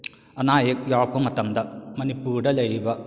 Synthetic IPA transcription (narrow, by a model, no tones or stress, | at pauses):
ɐnaːjek̚jaːɭkomɐt̪ɐmd̪ɐmɐnipuːɽɐlɐjʋɐ